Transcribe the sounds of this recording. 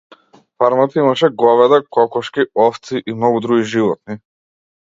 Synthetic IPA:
faɾmat̪imaʃɛɡɔvɛd̪akɔkɔʃkiɔft̪siʔimnɔɡud̪ɾuɡiʒivɔt̪̚ni

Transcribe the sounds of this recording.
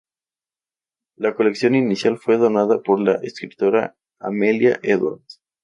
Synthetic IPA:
lako̞le̞ksjo̞ninisjalfwe̞ðo̞naðapo̞ɾlaʔeskɾit̪o̞ɾa | amelja̰ʔeðwa̰ɾð

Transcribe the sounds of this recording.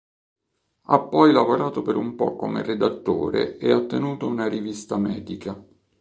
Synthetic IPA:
a̰pːɔjlavoɾaːt̪opeɾumpɔ̰kːomḛred̪at̪ːo̰ːɾḛeat̪ːenuːt̪ounarivist̪amɛːd̪ika

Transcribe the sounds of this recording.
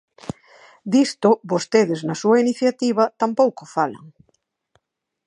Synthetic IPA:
d̪ist̪ʊbost̪eðɪznasuɐiniθjat̪iβ̞ɐt̪ampowkofalɐ̰ŋ

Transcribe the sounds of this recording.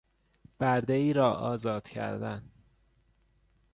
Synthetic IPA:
b̥æɾd̪eiːɾɒːʔɒːzɒːd̪̥cʰæ̰ɾd̪æn

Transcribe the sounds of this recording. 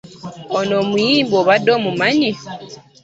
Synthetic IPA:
onoːmujiːmboːβadːoːmumaɲi

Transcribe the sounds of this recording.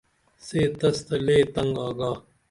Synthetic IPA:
seːt̪ɐst̪ɐleːt̪ɐŋɡaːɡaː

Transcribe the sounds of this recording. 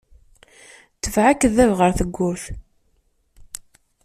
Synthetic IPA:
t͡səvʕakðævʁəɾθəɡʷːʊθ

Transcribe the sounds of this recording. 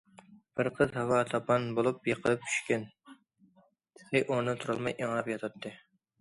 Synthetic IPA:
b̥ɨɾqʰəzhawɑt̪ʰɑpʰɑnbolˠupjeqʰəlˠɨp̚t͡ʃʰy̥ʃkʲan | lɪʔoɾnɪt̪ʰuɾɑlˠmɑjʔeŋɾɑpjɑt̪ʰɑt̪ʰːɨ

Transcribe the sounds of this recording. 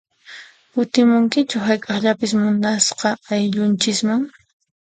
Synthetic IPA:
kʊt̪ɪmʊŋkɪt͡ʃʊɦajkʼɑχʎapɪsmʊnd̪asqɑajʎʊnt͡ʃɪsmaŋ

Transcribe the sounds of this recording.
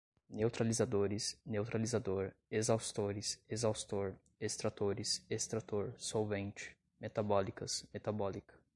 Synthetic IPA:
newt̪ɾalizad̪oɾɪsnewt̪ɾalizad̪oɾezawst̪oɾɪsezawst̪oɾ | est̪ɾat̪oɾɪsest̪ɾat̪oɾsowvẽnt͡ʃɪ̥ | met̪abɔlikɐsmet̪abɔlikɐ̥

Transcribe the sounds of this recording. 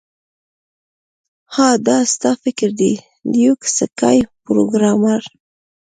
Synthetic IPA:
hɑd̪ɑst̪ɑfɪkɪɾd̪i | d̪juksəka̰jpɾoɡɾɑmaɾ

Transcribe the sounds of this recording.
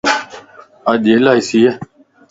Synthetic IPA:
aːʄeːlaːɪsiːeː

